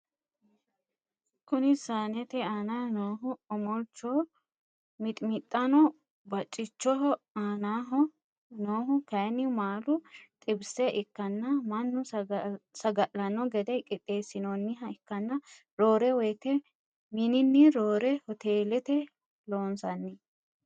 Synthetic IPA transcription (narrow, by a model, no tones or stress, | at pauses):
kʊnɪsaːnɛt̪ɛaːnanoːɦʊɔmɔlt͡ʃːɔ | mɪt̪ʼmɪt̪ʼːɐnɔ | bɐt͡ʃʼːɪt͡ʃːɔɦɔ | aːnaɦɔ | noːɦʊkɐjɛnɪmaːlʊt̪ʼɪbsɛʔɪkːɐnːɐmɐnːʊ | sɐɡɐʔlɐnɔɡɛd̪ɛjkʼɪt̪ʼːe̞ːsɪnɔnːɪɦɐɪkːɐnːɐ | ɾo̞ːɾɛwɔjt̪ɛ | mɪnɪnːɪɾoːɾɛhɔt̪eːlɛt̪ɛ | lo̞ːnsɐnːɪ